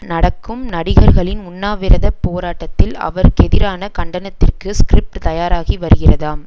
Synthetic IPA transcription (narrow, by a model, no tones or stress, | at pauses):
nɐɽɐkːɯmnɐɽɪɣɐɾɣɐɭɪnʊnːaːʋɪɾɐðɐpːoːɾaːʈːɐt̪ːɪlɐ̰ʋɐɾkɛðɪɾaːnɐkɐɳɖɐnɐt̪ːɪrkɯskɾɪp̚ʈt̪ɐjaːɾaːɣiʋɐɾɯɣɪrɐðaːm